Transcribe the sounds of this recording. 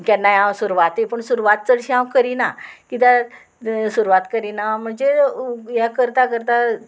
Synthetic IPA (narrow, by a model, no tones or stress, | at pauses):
kanːajãwsuɾuʋat̪epəɳsuɾuʋat̪̚t͡səɽɕiɦãwkəɾinakit̪a | suɾuʋat̪kəɾinam̤əɳd͡zeɦjakəɾt̪akəɾt̪a